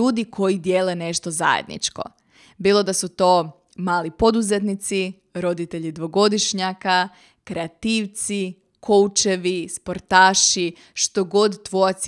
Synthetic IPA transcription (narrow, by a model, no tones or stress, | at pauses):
uːd̪ikʰo̞jid̪jeːlene̞ʃt̪o̞za̰jḛd̪nḭt͡ʃko̞̰ | biːlˠo̞d̪asut̪o̞ː | maːlipo̞d̪uzet̪̬nit̪si | ɾo̞d̪it̪eʎid̪ʋo̞ɡo̞d̪iʃɲaka | kɾeat̪iːʋt̪si | kʰo̞wt͡ʃe̞ʋispo̞ɾt̪aːʃi | ʃt̪o̞ɡo̞d̪ːʋoat̪s